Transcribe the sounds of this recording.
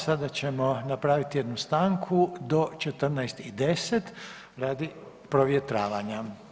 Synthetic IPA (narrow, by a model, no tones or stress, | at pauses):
sad̪at͡ɕe̞mo̞napɾaːʋit̪ije̞d̪nust̪aːŋkʰud̪o̞t͡ʃet̪r̩najst̪id̪e̞set̪ | ɾaːd̪i | pɾoʋjet̪ɾaːʋaɲa